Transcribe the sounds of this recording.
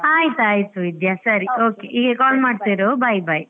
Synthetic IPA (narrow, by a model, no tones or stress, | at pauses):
aːjit̪uaːjt̪uid̪jasɐɾioːkeʔiːɡekaːlmaːɖt̪iːɾobɐjbaj